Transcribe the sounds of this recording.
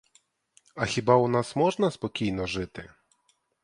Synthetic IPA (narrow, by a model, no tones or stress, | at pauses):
ɐxʲibaʊnasmɔʐnɐspɔkʲijnɔʒɪt̪ɪ